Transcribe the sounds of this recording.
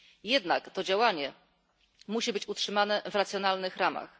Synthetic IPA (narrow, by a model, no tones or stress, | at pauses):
jɛd̪nakt̪ɔd͡ʑawaɲɛ | muɕibɘt͡ɕutʂɘmanɛvɾat̪sʲjɔnalnɘxɾama̰x